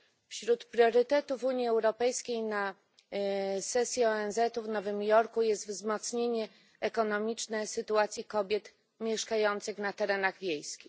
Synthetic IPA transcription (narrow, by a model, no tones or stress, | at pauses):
fɕɾut̪pɾjɔɾɘt̪ɛt̪uvuɲjiɛwɾɔpɛjskʲejna | sɛsʲjiɔɛnzɛt̪uvnɔvɘmjɔɾkujɛst̪vzmɔt̪sɲeɲɛ | ɛkɔnɔmʲit͡ʂnɛsɘt̪uat̪sʲjikɔbʲjɛt̪ | mʲjɛʂkajɔnt̪sɘxnat̪ɛɾɛnaɣvʲjejskʲix